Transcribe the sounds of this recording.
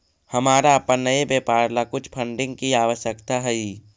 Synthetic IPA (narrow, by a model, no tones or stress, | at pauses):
həmaːɾaːpənəebeːpaːɾlakʊt͡ʃʰpʰə̃ɳɖɪ̃ŋɡ̚kiaːʋəʃjəkt̪aɦɛi